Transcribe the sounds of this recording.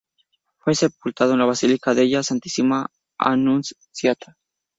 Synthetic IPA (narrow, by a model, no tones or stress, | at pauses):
fwesep̚ult̪aðoenlaβasilikaðeʝasant̪i̥sima | a̰nuns | sjat̪ʰḁ